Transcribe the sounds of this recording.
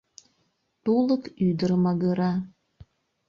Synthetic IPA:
t̪uləkyd̪ərmɑɣəɾɑ

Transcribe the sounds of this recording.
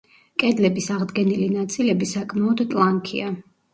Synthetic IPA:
kʼɛd̪lɛbisaʁd̪ɡɛnilinat̪sʼilɛbisakʼʰmaɔd̪t̪ʼlˠaŋkʰḭa

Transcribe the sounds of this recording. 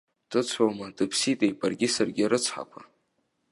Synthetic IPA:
d̥ɨt͡sʷʰamadɨpʰsitʼejpʼarɡʲɪsarɡʲɪɾɨt͡sʷʰħa̰pʷʰa

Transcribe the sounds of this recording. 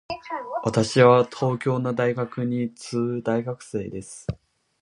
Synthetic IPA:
βat̪aɕiβat̪ʰo̞ːkʲo̞ːnad̪aiɡakɯ̟ɲ̟it͡sɨːd̪aiɡakɯ̟̥se̞ːd̪e̞sɨ̥

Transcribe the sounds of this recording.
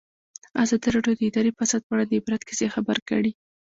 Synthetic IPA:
azɑd̪iɾɑɖjod̪əɪd̪ɑɾepasad̪̚paɽand̪ɪbɾad̪kɪ̥zexabaɾkə̰ɽi

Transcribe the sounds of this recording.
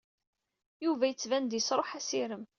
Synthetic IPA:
juvæjət͡sːvænd̪jəsɾˤoħæsiɾəm

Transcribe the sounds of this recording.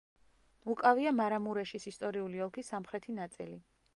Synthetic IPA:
ukʼaviamaɾamuɾɛʃisist̪ʼɔɾiuliɔlˠkʰisamχɾɛt̪ʰinat̪sʼḭli

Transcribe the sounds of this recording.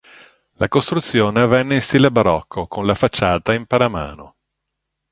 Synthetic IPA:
lʔakost̪ɾut̪sːjoːnevɛnːeinst̪iːlebaɾɔkʰːokonlafat͡ʃːaːt̪aimpaɾama̰ːno

